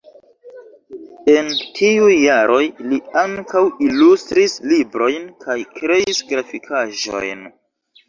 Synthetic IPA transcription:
e̞ntʰiujːaɾo̞jliaŋkawilustɾislibɾo̞jnkʰajkɾe̞isɡɾafikʰaʒo̰jn

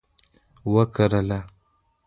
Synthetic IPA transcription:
wəkʰəɾəla

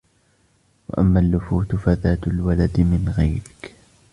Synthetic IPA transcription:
wa̰ʔamːaːlːʊfuːt̪faðaːt̪alwalad̪mɪnɣajɾɪk

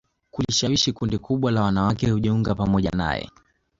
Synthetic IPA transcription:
kuliʃawiʃikundikuɓwalawanawakɛhuʄɛuŋɡapamɔʄa̰na̰jɛ̰

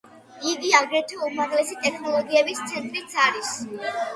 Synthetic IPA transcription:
iɡiaɡɾɛt̪ʰɔumaɾʁlɛsit̪ʼɛkʰnɔlˠɔɡiɛbist̪sʰɛnt̪ʼɾit̪sʰaɾis

